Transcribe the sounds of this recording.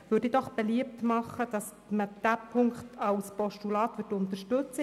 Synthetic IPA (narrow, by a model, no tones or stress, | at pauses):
ʋøɾdid̥ɔχb̥eliəp̚tmɑχːəd̥ɑs | məd̥æːpʰʊŋkχtʰɑwspɔʃtulɑːt̪ʋʏtʊnt̪əɾʃtɵt͡sə